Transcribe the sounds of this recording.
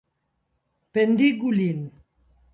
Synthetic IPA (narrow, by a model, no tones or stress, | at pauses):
pend̪iɡulin